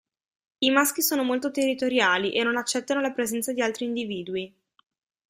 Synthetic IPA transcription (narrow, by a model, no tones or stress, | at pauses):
imask̟isoːnomolt̪ot̪erːit̪oɾjaːliʔenːonat͡ʃːɛt̪ːanolapɾezɛnt̪sad̪ialt̪ɾiːnd̪iviːd̪ui